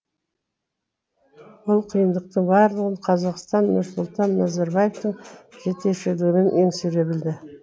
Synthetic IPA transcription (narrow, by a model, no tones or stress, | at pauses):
wʊlˠqʰijənd̪əq̚t̪əɴbɑɾlˠəʁəɴqʰɑzɑqst̪ɑnːʊɾsʊlˠt̪ɑnːɑzeɾbɑjeft̪əɴʒe̞t̪e̞ʃɪd̪ɪɡʲɪmenʔeŋsɵɾe̞bɪld̪ɪ